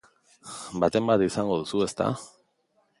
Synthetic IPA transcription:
bat̪e̞mbat̪isaŋɡo̞ð̞usue̞st̪a̰

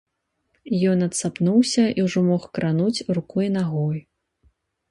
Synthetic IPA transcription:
jɔnɐt̪sapnuwsʲɐʔiwʐɔmɔxkɾʔanut͡sʲrukɔinaɣɔj

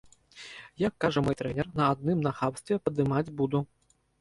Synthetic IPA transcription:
jakːaʐɐmɔjt̪ɾɛnʲɛrnɐad̪̚nɨmnaxapst̪vʲɛpɐd̪ɨmad͡zʲbud̪u

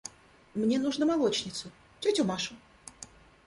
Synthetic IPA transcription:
mnʲenuʐnəmalˠo̞t͡ɕnʲɪt̪sʊ | t͡ɕʲutʲʊmaʂʊ

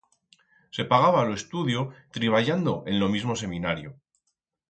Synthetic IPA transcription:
se̞paɣ̞aβaloe̞st̪uðjot̪ɾiβ̞aʎand̪o̞ʔe̞nlo̞mizmo̞s̬e̞mĩnaɾjo

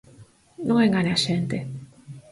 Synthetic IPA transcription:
noŋeŋɡanaɕent̪e

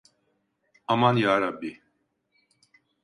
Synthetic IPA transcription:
amanjaːɾabːi

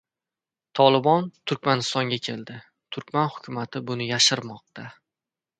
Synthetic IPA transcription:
t̪ʰɒlˠɪbɒnt̪ʰʊɾkʲmanɪst̪ɒŋɡʲakʲʰe̞ld̪ɪ | t̪ʰʊɾkʲmanhʊ̥kʲʰʊmat̪ʰɪbʊnɪjaʃɪɾmɒq̚t̪ʰa

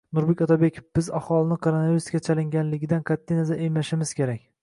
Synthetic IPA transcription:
nʊɾbekʲɒt̪ʰabekʲʰofb̥ɪzahɒlˠɪnɪqʰoɾonaviɾuskʲat͡ʃʰalɪŋɡʲanlɪɡʲɪd̪anqʰat̪ʰːijnazaʔejmaʃɪmɪz̥kʲe̞ɾakʲ

